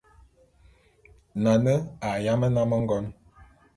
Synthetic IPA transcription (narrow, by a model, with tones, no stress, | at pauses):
na˨nə˦a˨ja˦mə˦na˦mə˦ŋ˦ɡɔ˦n